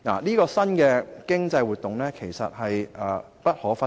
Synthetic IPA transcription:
na̰˨˩niː˥kɔː˧sɐ˥nkɛː˧kɪ˥ŋt͡sɐ˧jwu˨t̪ːʊ˨ŋlɛː˥kʰe˨˩jsɐ̰˨t̚hɐ˨jʔɐː˨˩ | pɐ˥t̚hɔː˨˥fɐ˥

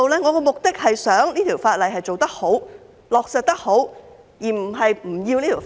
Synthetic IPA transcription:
wlɛː˥ŋɔː˨˧kɔː˧mʊ˨k̚t̪ɪ˥k̚hɐ˨jsœː˨˥ŋliː˥t̪ʰiː˨˩wfaː˧t̚lɐ˨jɦɐ˨jt͡so˨wt̪ɐ˥k̚ho˨˥w | lɔː˨k̚sɐ˨˧t̚t̪ɐ˥k̚ho˨˥w | jiː˨˩m̩˨˩ɦɐ˨jm̩˨˩ji˧wniː˥t̪ʰiː˨˩

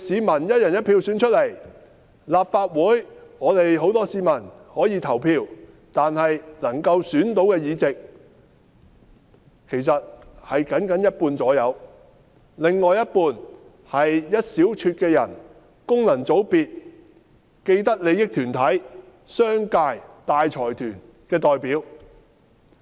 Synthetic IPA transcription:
siː˨˧mɐ˨˩njɐ˥t̚jɐ˨njɐ˥t̚pʰi˧wsyː˨˥nt͡ʃʰɵ˥t̚le˨˩j | laː˨p̚faː˧t̚wuː˨˥jŋɔː˨˧t̪e˨jɦo˨˥wt̪ɔː˥siː˨˧mɐ˨˩nhɔː˨˥jiː˨˧t̪ʰɐ˨˩wpʰiː˧w | t̪aː˨nhɐ˨jnɐ˨˩ŋkɐ˧wsyː˨˥nt̪o˨˥wkɛː˧jiː˨˧t͡sɪ˨k̚ | kʰe˨˩jsɐ˨t̚hɐ˨jkɐ˨˥nkɐ˨˥njɐ˥t̚puː˧nt͡sɔː˨˥jɐ˨˧w | lɪ˨ŋːɔː˨jɐ˥t̚puː˧n | hɐ˨jjɐ˥t̚siː˨˥wt͡ʃʰyː˧t̚kɛː˧jɐ˨˩n | kʊ˥ŋlɐ˨˩nt͡so˨˥wpiː˨t̚ | ke˧jt̪̬ɐ˥k̚le˨˧jɪ˥k̚t̪ʰyː˨˩nt̪ʰɐ˨˥j | sœː˥ŋkaː˧jt̪aː˨jt͡sʰɔː˨˩jt̪ʰyː˨˩n | kɛː˧t̪ɔː˨jpiː˨˥w

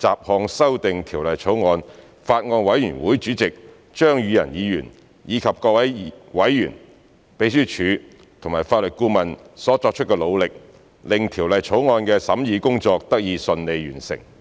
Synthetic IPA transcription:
t͡saː˨p̚hɔː˨˧ŋsɐ˥wt̪ɪ˨ŋt̪ʰiː˨˩wlɐ˨jt͡ʃʰo˨˥wŋɔː˧n | faː˧t̚ŋɔː˧nwɐ˨˥jyː˨˩nwuː˨˥jt͡ʃyː˨˥t͡sɪ˨k̚ | t͡ʃœː˥ŋjyː˨˧jɐ̰˨˩njiː˨˧jy̰ː˨˩n | jiː˨˧kʰɐ˨p̚kɔː˧k̚wɐ˨˥jwɐ˨˥jːyː˨˩n | pe˨˥jsyː˥t͡ʃʰyː˨˧ | t̪ʰʊ˨˩ŋmaː˨˩jfaː˧t̚lɵ˨t̚kuː˥mɐ˨nsɔː˨˥t͡sɔː˧k̚t͡ʃʰɵ˥t̚kɛː˧lo˨˧wlɪ˨k̚ | lɪ˨ŋt̪ʰiː˨˩wlɐ˨jt͡ʃʰo˨˥wŋɔː˧nkɛː˧sɐ̰˨˥mjiː˨˧kʊ˥ŋt͡sɔː˧k̚t̪ɐ˥k̚jiː˨˧sɵ˧nle˨˧jjyː˨˩nsɪ̰˨˩ŋ

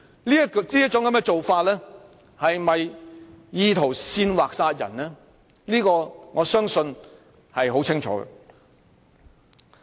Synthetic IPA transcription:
liː˥liː˥jɐ˥t̚t͡ʃʊ˨˥ŋkɐ˨˦mkɛː˧t͡so˨wfaː˧t̚lɛː˥ | hɐ˨jmɐ˨jjiː˧t̪ʰo˨˩wsiː˧nwaː˨k̚saː˧t̚jɐ̰˨˩nlɛ˥ | liː˥kɔː˧ŋɔː˨˧sœː˥ŋsɵ˧n | hɐ˨jɦo˨˥wt͡sʰɪ˥ŋt͡ʃʰɔ̰ː˨˥ɡɛ̰˨˧

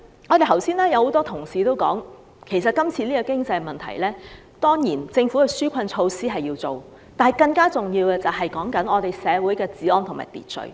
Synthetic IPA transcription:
ŋɔː˨˧t̪e˨jt̪ʰɐ˨˩wsiː˥nlɛː˥jɐ˨˧who˨˥wt̪ɔː˥t̪ʰʊ˨˩ŋsiː˨t̪o˥wkɔ̰ː˨˥ŋ | kʰe˨˩s̬ɐ˨t̚kɐ˥mt͡sʰiː˧liː˥kɔ˧kɪ˥ŋt͡sɐ˧jmɐ˨nt̪ʰɐ̰˨˩jlɛː˥ | t̪ɔː˥ŋjiː˨˩nt͡sɪ˧ŋfu˨˥kɛ˧syː˥kʷʰɐ˧nt͡ʃʰo˧wsiː˥ɦɐ˨jiː˧wt͡so˨w | t̪aː˨nhɐ˨jkɐ˧ŋkaː˥t͡sʊ˨ŋjiː˧wɛː˧t͡sɐ˨wɦɐ˨jkɔː˨˥ŋkɐ˨˥nɔː˨˧t̪e˨jsɛː˨˧wuː˨˥jkɛː˧t͡siː˨˥ɔː˧nt̪ʰʊ˨ŋma̰ː˨jp̪ḭː˨˩t̚t͡sɵ̰˨˧ɥ

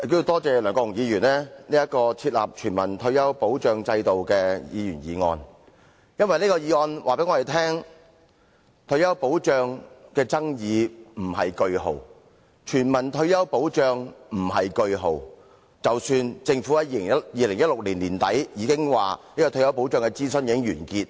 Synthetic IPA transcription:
ke˧jo˧t̪ɔː˥t͡sɛː˨˧lœː˨˩ŋkɔ˧jʊ˨˩ŋjiː˨˧jyː˨˩nlɛː˥niː˥jɐ˥t̚kɔː˧t͡sʰiː˧t̚la̰ː˨p̚t͡ʃʰyː˨˩nmɐ̰˨˩nt̪ʰɵ˧ɥjɐ˥wpo˨˥wt͡ʃœː˨˧ŋt͡sɐ˧jt̪o˨wkɛː˧jḭː˨˧jyː˨˩njiː˨˧ŋɔ̰ː˧n | jɐ˥nwɐ˨jniː˥kɔː˧jiː˨˧ŋɔː˧nʔa̰ː˨˩pe˨˥ŋɔː˨˧e˨˩t̪ʰɛː˥ŋ | t̪ʰɵ˧ɥjɐ˥wpo˨˥wt͡ʃœː˧ŋkɛː˧t͡sɐ˥ŋjiː˨˧m̩˨˩hɐ˨jkɵ˧ɥho˨˩w | t͡ʃʰyː˨˩nmɐ˨˩nt̪ʰɵ˧ɥjɐ˥wpo˨˥wt͡ʃœː˨˧ŋm̩˨˩ɦɐ˨jkɵ˧ɥɦo˨w | t͡sɐ˨wsyː˧nt͡sɪ˧ŋfu˨˥ɐ˨˥jiː˨˧lɪ˨˩ŋjɐ˥jiː˨˧lɪ˨˩ŋjɐ˥t̚lʊ˨k̚liː˨˩nliː˨˩nt̪ɐ˨˥jjiː˨˧˥kɪ˥ŋwaː˨niː˥kɔː˧t̪ʰɵ˧jɐ˥wpo˨˥wt͡ʃœː˨˧ŋkɛ˧t͡siː˥sɵ˥njiː˨˧˥ɪ˥ŋjɥyː˨˩nkiː˧t̚

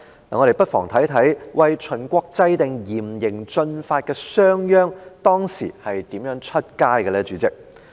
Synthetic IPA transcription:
aː˨ŋɔː˨˧ɾe˨jpɐ˥t̚fɔ̰ː˨˩ŋt̪ʰɐ˨˥jt̪ʰɐ˨˥jwɐ˨jt͡ʃʰɵ˨˩nkʷɔː˧k̚t͡sɐ˧jt̪ɪ˨ŋjiː˨˩mjɪ˨˩ŋt͡ʃɵ˧nfaː˧t̚kɛː˧sœː˥ŋjœː˥ŋt̪ɔː˥ŋsiː˨˩hɐ˨jt̪iː˨˥mjœː˨˥ŋt͡ʃʰɵ˥t̚kaː˥jkɛ˧lɛː˥t͡ʃyː˨˧˥t͡sɪ˨˥k̚

